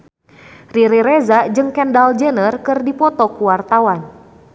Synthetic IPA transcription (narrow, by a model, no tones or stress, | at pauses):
riɾiɾɛzad͡ʒɨŋkɛndald͡ʒənərkɨrdipɔt̪ɔkuwart̪awan